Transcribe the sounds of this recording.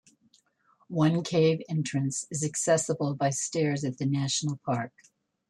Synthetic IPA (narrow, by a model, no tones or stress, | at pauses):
wʌ̃nkʰeɪvɛ̃nt͡ʃɹ̥ɨ̃nsɨzɨksɛsəbl̩ˠbaɪstɛɹzɨt̪̚ðɨnæʃn̩l̩ˠpʰɑɹk̚